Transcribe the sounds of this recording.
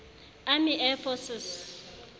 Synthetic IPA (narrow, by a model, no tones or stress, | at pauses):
amiʔɛfʰɔsɪs